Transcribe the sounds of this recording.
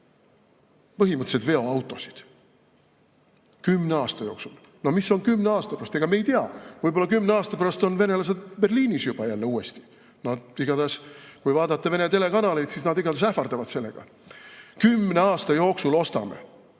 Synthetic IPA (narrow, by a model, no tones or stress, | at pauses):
pɤɦimɯt̪ːˑset̪ve̞o̞ɑwt̪ːˑo̞si̥d̪̥ | kymːneɑːst̪ɑjo̞ːksul | no̞misːo̞nkymːne̞ɑːst̪ɑpærɑst̪eɡ̥ɑmejt̪eɑ̰vɤjbo̞lːɑkymːneɑːst̪ɑ̥pæɾɑst̪o̞nve̞ne̞lɑs̬ed̪̚be̞rliːnisjub̥ɑjælːeuːe̞st̪i̥ | nɑd̪̥iɡ̥ɑd̪ɑskujvɑːd̪ɑt̪ːɑve̞net̪e̞le̞kɑnɑle̞jd̪sisnɑd̪iɡɑd̪ɑsæfɑrd̪ɑvɑd̪̥se̞lːe̞̰ɡ̥ɑ̰ | kymːne̞ɑːst̪ɑjo̞ːksulo̞st̪ɑme̞̰